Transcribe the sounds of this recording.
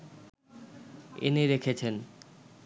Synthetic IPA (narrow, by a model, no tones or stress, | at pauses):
ḛniɾekʰet͡ɕʰen